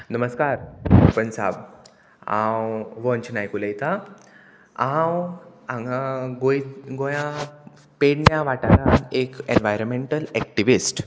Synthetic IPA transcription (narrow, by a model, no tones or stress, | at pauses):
nəməskaɾpənsa̰b | ã̰wʋɔ̃nt͡ɕnajkulejt̪a | ãwãŋɡaɡojɡojã | peɽnjaʋaʈanaekenʋajɾəmeɳʈəlɛk̚ʈiʋisʈ